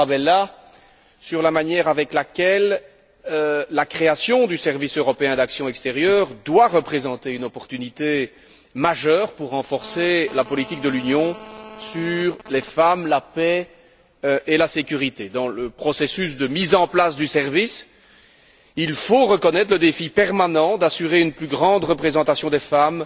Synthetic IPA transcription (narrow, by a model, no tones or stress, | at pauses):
abɛla | syʁlamanjɛʁavɛklakʲɛl | akχeasjɔ̃d̪ysɛʁvisøʁɔpeɛ̃d̪aksjɔ̃ɛkst̪eʁjœʁd̪waʁəpχezɑ̃t̪eynɔpɔʁt̪ynit̪e | maʒœːʁpuʁːɑ̃fɔʁselapɔlit̪ik̚d̪əlynjɔ̃syʁlɛfamlapɛ | ʔelasekʲyʁit̪ed̪ɑ̃ləpχɔsesys̬d̪əmizɑ̃plasd̪ysɛʁvis | ilfoʁəkɔnɛt̪χləd̪efipɛʁmanɑ̃d̪asyʁeynplyɡʁɑ̃d̪ʁəpχezɑ̃t̪asjɔ̃d̪efam